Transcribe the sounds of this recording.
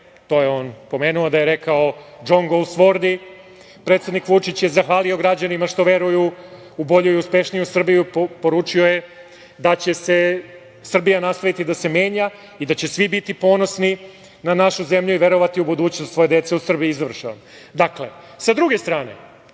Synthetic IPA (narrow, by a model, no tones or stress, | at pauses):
t̪o̞jeo̞ːnpo̞meːnuod̪ajeɾe̞kaod͡ʒo̞ŋɡolˠsʋo̞ɾd̪i | pɾet̪sed̪nikʋut͡ʂit͡ɕje̞zaxʋaːlio̞ɡɾad͡ʑanimaʂt̪o̞ʋe̞ɾuju | ubo̞ʎuijuspe̞ʃnijusr̩bijuppo̞ɾuːt͡ʂio̞je | d̪at͡ɕe̞se̞ | sr̩bijanast̪aʋit̪id̪ase̞me̞ːɲa | id̪at͡ɕe̞sʋibit̪ipo̞ːno̞sni | nanaʃuzemʎuiʋe̞ɾo̞ʋat̪iubud̪uːt͡ɕnost̪so̞jed̪e̞t̪seusr̩bijiizʋr̩ʃan | d̪akle̞ | sad̪ɾuɡe̞st̪ɾaːne̞̰